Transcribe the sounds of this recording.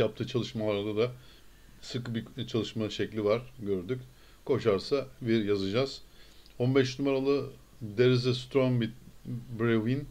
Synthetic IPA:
jap̚t̪ʰɯːt͡ʃʰalˠɯʃmalˠaɾd̪ad̪a | sɯkbit͡ʃʰalˠɯʃmaʃɛclʲivaɾɟøɾd̪ycʲ | kʰo̞ʃaɾsaviɾjazɯd͡ʒaz̥o̞nbɛʃnumaɾalˠɯ | d̪eɾizɛst̪ɾonbitbɾevin

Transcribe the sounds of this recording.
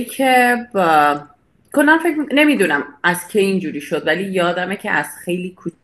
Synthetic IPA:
kʰeb | kʰonmænfecmine̞mid̪uːnæmæz̥cʰeind͡ʒuːɾiːʃod̪væliːjɒːd̪æmecʰḛʔæz̥xe̞jliːkʰu

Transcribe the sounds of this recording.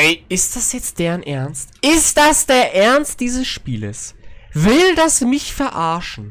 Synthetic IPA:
ɛɪʔɪst̚d̥asjɛt͡st̚d̥eːʁənʔɛɐnstʔɪst̚d̥asd̥eːɐʔɛɐnst̚d̥iːzəsʃpiːlə̰sv̥ɪld̥asmɪçfɛɐʔaɐʃn̩

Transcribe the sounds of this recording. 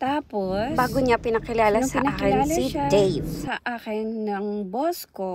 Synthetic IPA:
t̪aːposbaːɡoɲapɪnɐkɪlaːlɐsɐʔaːkɪnid̪ɛjvsɐʔaːkɪnːɐŋbosko

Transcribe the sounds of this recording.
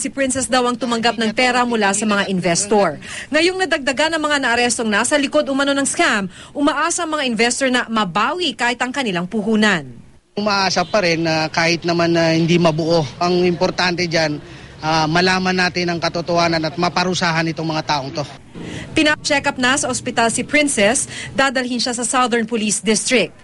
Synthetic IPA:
sipɹɪnsɛsd̪awɐŋt̪ʊmɐŋɡap̚nɐŋpɛːɾɐmʊlasɐmɐŋaʔɪnvɛst̪oɹŋɐjoŋnɐd̪ɐɡ̚d̪ɐɡanːɐŋmɐŋanɐʔɐɾɛst̪o̞ŋnasɐlɪko̞d̪ʊmɐno̞nɐŋskam | ʔʊmɐʔaːsɐɐŋmɐŋaʔɪnvɛst̪oɹnɐmɐbaːwikaːhɪt̪ɐŋkɐnɪlaŋpuɦuːnɐn | ʊmaʔaːsapɐɾɛnːakaːhɪt̪̚nɐmanːɐhɪnd̪imɐbʊʔoʔɐŋɪmpoɾt̪ant̪ɛd͡ʒan | ʔamɐlaːmɐnːaːt̪ɪnɐŋkɐt̪ot̪ohaːnɐnɐt̪̚mɐpɐɾʊsaːɦɐnɪt̪oŋmɐŋat̪aːʔoŋt̪o̞ | pɪnɐt͡ʃɛkɐp̚nɐsɐʔospɪt̪alsɪpɾɪnsɛsd̪aːd̪ɐlhɪnʃasɐsawðɛɹnpʊlisd̪ɪst̪ɾɪk̚t̪̚

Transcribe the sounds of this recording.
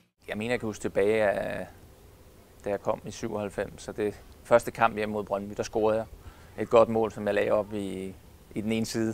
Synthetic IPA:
jɑ̈ɪme̝ːnɐjäkʰæhusɡ̥t͡sʰe̝b̥ɛːɪæ | d̥æjɑ̈ɪkʰɒ̽m̰isyʊ̰ɒ̽hælfem̰sːɒ̽d̥e̝fɶɐsd̥əkʰɑ̈m̰b̥jem̰mo̝ðˠb̥ʁɶnb̥y̰d̥ɑ̈sɡ̥o̝ːɐð̩ˠjɑ̈ | e̝d̥̚ɡ̥ɒ̽d̥mɔ̰ːlsɒ̽mjɑ̈ɪlɛ̰ʊɒ̽b̥i | id̥ene̝ːnəsiːð̞ˠ

